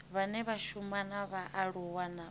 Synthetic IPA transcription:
βanɛβaʃumanaβaʔaɺuwana

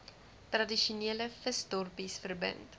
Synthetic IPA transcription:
trɐdiʃuniələfəstɔrpisfərbə̰nt

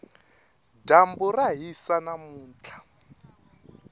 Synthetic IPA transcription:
damburaɦisanamuːnt͡ɬʰḁ

